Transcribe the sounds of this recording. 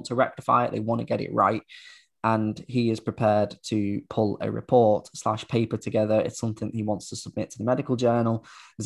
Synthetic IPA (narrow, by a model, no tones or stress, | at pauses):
ntʰəɹɛk̚tɪfa̰ɪɪʔðeɪwɒ̃ntəɡ̥ɛɾɪ̰ʔɹa̰ɪt̚ | ʔə̃niɪz̥pɹ̥ɪpʰɛːdtʰəpʰʊlə̰ɹɪ̰pʰɔˑtsla̰ʃpʰeɪpətʰəɡɛðəɹɪ̰tsʌ̃mθɪ̃ŋəiwɒ̃ntstʰəsəb̚mɪtʰəðəmɛɾɪkəlˠd͡ʒɜːnəlˠz